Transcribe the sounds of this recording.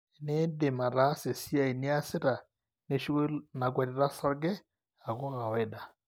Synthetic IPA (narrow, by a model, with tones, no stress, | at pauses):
ne˦de˨ma˨ɾa˦se˨si˦a˦˨i˨ni˦a˦se˦ɾa˨ | ne˦ʃu˦kna˨kwa˨ɾi˦ɾa˦sa˦ɡɛ˦ | a˨ko˦ɣa˨wɛ˦da˨